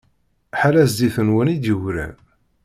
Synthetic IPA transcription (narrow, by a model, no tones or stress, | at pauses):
ħalæzd̪iθənwənid̪jəwɾæ̰n